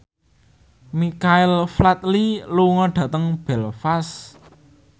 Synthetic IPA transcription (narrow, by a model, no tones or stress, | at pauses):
mikaɪlflat̪liluŋɔɖ̥ä̤t̪əŋb̥ɛlfas